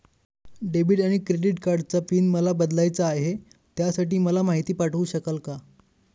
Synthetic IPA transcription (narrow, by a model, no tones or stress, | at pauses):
ɖebiʈaɽ̃ikɾeɖiʈkaɾɖt͡safiːnməlabəd̪lajt͡saːɦe | t̪jasaʈiːməlamaɦit̪iːpaʈʰəuːɕəkəlka